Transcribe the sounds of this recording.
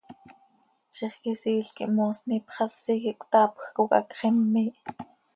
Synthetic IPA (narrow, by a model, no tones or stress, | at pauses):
ʃiχkisiːɬkḭʔmoːsniːpχɑsːikiʔkʷt̪ɑːpxkukɑ̰kχimːiːʔ